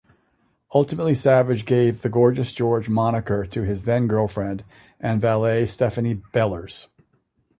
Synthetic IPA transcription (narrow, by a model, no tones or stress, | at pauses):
ʌlˠtəmətˡlisævɨd͡ʒɡeɪvðɨɡɔɹd͡ʒɨsd̥ʒ̥ɔɹd͡ʒmɑnɨkə˞ɾɨɪzðɛ̃nɡɜ˞lˠfɹɛ̃nd | ʔɨ̃nvælˠeɪstɛfɨnib̥ɛlˠə˞z̥